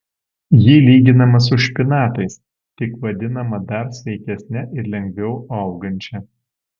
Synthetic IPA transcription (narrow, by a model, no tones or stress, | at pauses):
jiːlʲiːɡʲɪnɐmɐs̬ʊʃʲpʲɪnɑːt̪ɐɪs | t̪ʲɪkʋɐd̪ʲɪnɐmɐd̪ɐɾsʲʋʲɛɪkʲɛsʲnʲɛʔɪɾlʲɛŋʲɡʲʋʲɛʊɐʊɡɐnʲt͡ʃʲɛ